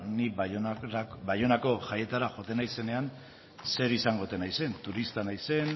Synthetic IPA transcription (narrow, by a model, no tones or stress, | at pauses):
ni | bajo̞nako̞ʝaje̞t̪aɾaʝo̞t̪e̞najse̞ne̞an | se̞ɾisaŋɡo̞t̪e̞najse̞nt̪uɾist̪anajse̞n